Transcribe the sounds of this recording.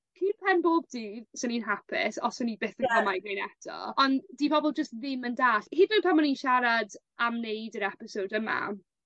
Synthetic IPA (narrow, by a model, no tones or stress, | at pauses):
kʰinpʰɛnboːb̚diːðsəninɦapʰɪ̰sɔsənibeːθənkʰəmajɡrejnɛtʰɔ̰ɔndipʰɔbɔlˠd͡ʒəstðɪməndaːɬhidənpʰamɔninʃaɾad | amnejdəɾɛpɪsowdəma̰m